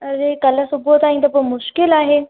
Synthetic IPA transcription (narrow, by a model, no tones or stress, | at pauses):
ɐzekɐlə̆sʊbʱot̪aːɦĩn̆d̪opomʊʃkɪlaːɦeː